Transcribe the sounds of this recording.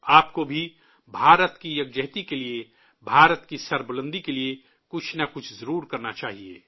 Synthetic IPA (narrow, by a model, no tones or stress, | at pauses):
aːp̚kobʱi | bʱaːɾət̪kijɐɡd͡ʒəɦt̪ikelie | bʱaːɾət̪kisɐɾbələ̃nd̪ikelie | kʊt͡ʃʰnakʊt͡ʃʰzɐɾuːɾkɐɾnat͡ʃaːɦiḛː